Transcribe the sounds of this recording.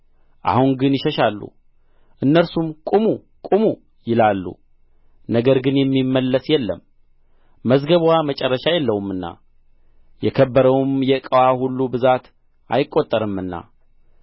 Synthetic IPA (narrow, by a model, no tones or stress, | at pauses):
ʔa̰hunɡɨnjɪʃəʃalːṵ | ʔɨnːəɾsumkʼumu | kʼumu | jɪlalːṵ | nəɡəɾɡɨnjɛmːimːəlːəsjɛlːəmː | əzɡəβwamət͡ʃʼɛrːəʃajɛlːəwmɨnːa̰ | jɛkʰəbːəɾəwmjɛkʼəwahulːubɨzat̪ | ʔa̰jɪkʼːot̪ʼːəɾɨmːɨnːa̰